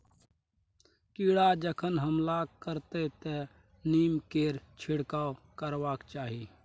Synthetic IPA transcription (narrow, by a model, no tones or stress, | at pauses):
kiːɽad͡ʒəkʰənɦəmlakəɾt̪et̪e | niːmkeːɾt͡ʃʰɪɽkakəɾwaːkt͡ʃaːɦiː